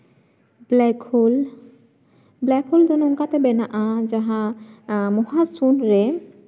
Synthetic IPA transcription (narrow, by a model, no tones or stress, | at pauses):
blɛkʰol | blɛkhold̪onoŋkat̪ebenaʔad͡ʑaɦa | moɦasunɾe